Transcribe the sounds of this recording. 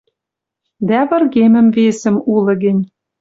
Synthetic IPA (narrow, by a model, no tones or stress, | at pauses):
d̪æβɤ̆rɣemɘ̆mvesɘ̆mulɤ̆ɣɘ̆nʲ